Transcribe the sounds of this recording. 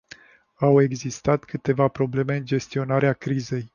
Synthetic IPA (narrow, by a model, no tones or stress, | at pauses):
awe̞ɡzist̪at̪kɨt̪e̞vapɾo̞ble̞me̞ɨnd͡ʒe̞st̪io̞naɾeakɾize̞j